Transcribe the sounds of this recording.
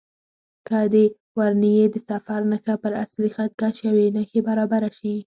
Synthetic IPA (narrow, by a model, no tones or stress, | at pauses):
kad̪e | waɾnijed̪əsafaɾnəxapəɾaslixat̪̚kaʃawenəxebaɾɑbaɾaʃi